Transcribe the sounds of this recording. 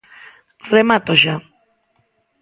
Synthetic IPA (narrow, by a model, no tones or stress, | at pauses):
remat̪oʒa